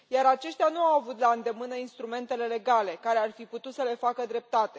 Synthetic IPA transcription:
jaɾat͡ʃe̞ʃt̪eanuawavut̪laɨnd̪e̞mɨnəinst̪ɾume̞nt̪e̞le̞le̞ɡale̞kaɾearfiput̪ut̪səle̞fakəd̪ɾe̞p̚t̪at̪e̞̥

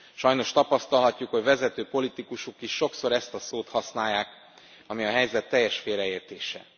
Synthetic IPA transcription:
ʃɒjno̞ʃt̪ɒpɒst̪ɒlɦɒcːukhoɟvɛzɛt̪øːpo̞lit̪ikuʃukiʃːo̞kso̞ɾɛst̪ɒsoːt̪hɒsnaːjːaːk | ɒmiɒɦɛjzɛt̪ːɛjːɛʃfeːlɾɛeːrt̪eːʃɛ̰

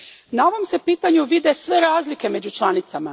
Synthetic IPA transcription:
nao̞ʋo̞mse̞piːt̪aɲuʋid̪e̞sʋe̞ɾaːzlike̞me̞d͡ʑut͡ʃlˠanit̪sama

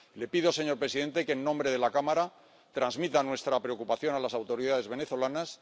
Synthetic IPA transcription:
le̞piðo̞se̞ɲo̞ɾpɾe̞siðe̞nt̪e̞keːnːõ̞mbɾe̞ðe̞lakamaɾa | t̪ɾanzmit̪anwe̞st̪ɾapɾe̞o̞kupaθjo̞nalasawt̪o̞ɾiðaðe̞zβe̞ne̞θo̞lanas

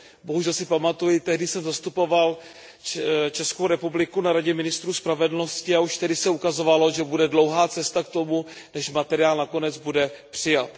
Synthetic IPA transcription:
bo̞ɦuʒɛlsɪpamat̪ujɪt̪ɛɦdɪsɛmzast̪upo̞val | t͡ʃɛskowɾɛpublɪkunaɾaɟɛmɪnɪst̪ɾuːspɾavɛdl̩no̞scɪauʃt̪ɛdɪsɛukazo̞valo̞ʒɛbudɛdlowɦaːt͡sɛst̪akt̪o̞mu | nɛʃmat̪ɛɾɪaːlnakonɛd͡zbudɛpr̥ɪjat̪

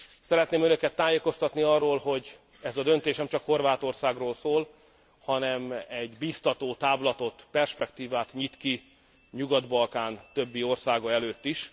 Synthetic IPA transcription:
sɛɾɛt̪neːmønøkɛt̪ːaːjeːko̞st̪ɒt̪niɒrːoːlho̞ɟ | ɛzɒd̪ø̞nt̪eːʃnɛmt͡ʃɒkho̞rvaːt̪o̞rsaːɡroːlsoːl | hɒnɛmɛɟbiːst̪ɒt̪oːt̪aːvlɒt̪o̞t̪pɛrʃpɛkt̪iːvaːt̪ɲit̪ki | ɲuɡɒd̪bɒlkaːnt̪ø̞bːio̞rsaːɡɒɛløːt̪ːiʃ

